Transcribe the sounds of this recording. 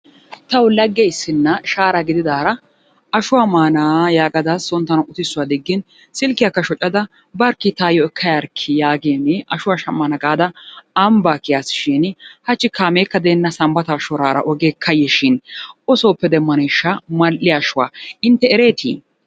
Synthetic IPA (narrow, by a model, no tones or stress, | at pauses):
t̪ɐwlɐɡːɛɪsːɪnːɐʃaːɾɐɡɪd̪ɪd̪aːɾɐ | ɐʃʊwaːmaːnaːjaːɡʼɐd̪ɐsɔnt̪ːɐnɐʊt̪ɪsːʊwad̪ɪɡːɪn | sɪlkːɪjɐkːɐʃɔt͡ʃʼːɐd̪ɐ | bɐɾkːɪt̪aːjɔɛkʰːɐjɐɾkʰːɪjaːɡeːnɛɐʃʊwaːʃɐmːanɐɡʼaːd̪ɐːmbaːkːɪjaːsʃɪnhɐt͡ʃːɪkʰaːmeːkːɐd̪eːnːɐsɐmbɐt̪aːʃɔɾaːɾɐ̰ʔɔɡeːkʰːɐjːɛʃɪnɔsoːpːɛd̪ɛmːɐneʃːamɐlːɪɐʃʊwa̰ːɪnt̪ːɛɛɾeːt̪ʰḭː